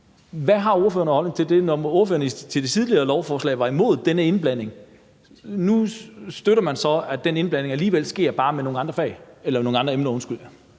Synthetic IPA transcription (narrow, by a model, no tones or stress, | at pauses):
ʋæɦɑ̈o̝ɐføːɐnəhɒl̰ne̝ŋt͡sʰe̝ld̥e̝nɒo̝ːɐfø̰ːɐnət͡sʰe̝ld̥e̝t͡sʰiðˠliɐːlɒʊfɒːslɛ̰ːɪʋɑ̈imo̝ð̰ˠd̥enəe̝nb̥læn̰e̝ŋ | nusd̥øɾɐmænsɒ̽æd̥ene̝nb̥læn̰e̝ŋæliːʋel̰sɡ̥e̝ɐ̰b̥ɑ̈ːmeno̝ːŋ̩ɑ̈nd̥ʁɐfɛ̰ɪelɐmeno̝ːŋɑ̈nd̥ɐemnɐɔ̽nsɡ̥yl̰j